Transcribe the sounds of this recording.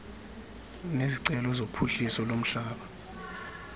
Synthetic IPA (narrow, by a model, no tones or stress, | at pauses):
neziǀɛlɔzopʰuɬisɔlom̩ɬaːɓa